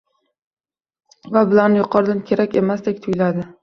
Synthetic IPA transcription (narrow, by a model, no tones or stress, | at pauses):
vabɪlanɪjʊqʰɒɾd̪ankʲʰe̞ɾakʲe̞masd̪ekʲt̪ʰʊjlad̪ɪ